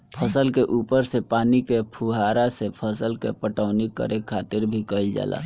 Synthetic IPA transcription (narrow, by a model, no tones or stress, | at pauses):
pʰəsəlkeʔuːpəɾsepaːnikepʰuɦaɾasepʰəsəlkepəʈaʊnikə̰ɾʔekʰːat̪ɪɾbʱikəild͡ʒa̰ːlʔa̰